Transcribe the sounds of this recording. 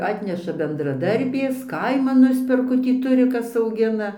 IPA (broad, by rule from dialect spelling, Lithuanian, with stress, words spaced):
ˈɑːtʲnʲɛʃɐ bʲɛndrɐˈdɐrʲbʲeːs ˈkɐɪmɐn ˈnʊsʲpʲɛrkʊ tʲiː ˈtʊrʲɪˈkɐs ɐʊˈɡʲɪnɐ